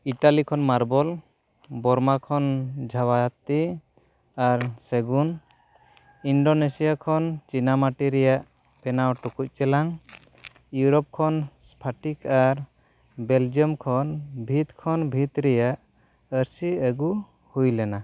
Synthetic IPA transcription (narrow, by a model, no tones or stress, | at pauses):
iʈalikʰɔnmaɾbɔl | bɔɾmakʰɔnd͡ʒʱawat̪i | aɾsɛɡun | inɖonesijakʰɔnt͡ʃinamaʈiɾɛjaʔ | pɛnawʈukuc̚t͡ʃɛlaŋ | juɾɔp̚kʰɔnspʰaʈikaɾ | beld͡ʒiɔmkʰɔnbʱit̪kʰɔnbʱit̪ɾɛjaʔ | əɾsiəɡu | hujlɛna